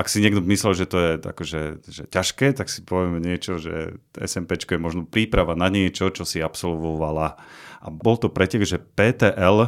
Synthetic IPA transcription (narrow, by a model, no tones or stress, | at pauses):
ʔaksiɲɪɛɡd̪ɔmislɛlʒɛt̪ɔjɛa̰kɔʒɛʒɛcaʃkɛːt̪aksi̥pɔʋɛmɛɲɪɛt͡ʃɔʒɛ̰ɛ̰sɛmpɛt͡ʃkɔjɛmɔʒnɔpɾiːpɾaʋanaɲɪɛt͡ʃɔt͡ʃɔsiapsɔlʋɔʋalaʔabɔlt̪ɔpɾɛcɛɡʒɛpɛːt̪ɛʔɛl